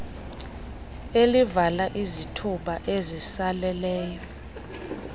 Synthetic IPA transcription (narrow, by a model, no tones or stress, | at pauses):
elivalaʔizitʰuɓaʔezisalɛlɛːjɔ